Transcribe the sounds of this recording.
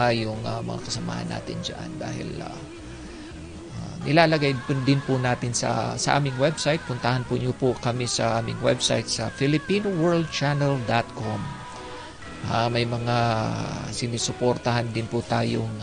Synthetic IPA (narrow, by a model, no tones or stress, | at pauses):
jʊŋɐmɐ̰ŋa̰kɐsɐma̰ːhɐ̰nːa̰ːt̪ɪnd͡ʒɐ̰ʔa̰nd̪a̰ːhɪ̰la̰ | anɪlaːlɐɡajʊd̪ɪnpʊnaːt̪ɪnsɐ̰sɐʔa̰ːmɪŋwɛbsajt̪̚pʊnt̪ɐhanpʊɲopʊkɐmisɐʔaːmɪ̰ŋwɛ̰bsa̰jt̪̚sɐfɪlɪpiːnowɛɹld̪̚t͡ʃanɛld̪at̪̚kʰom | ʔamɐjmɐŋa | sɪnisʊpoɾt̪ɐhand̪ɪnpʊt̪aːjoŋ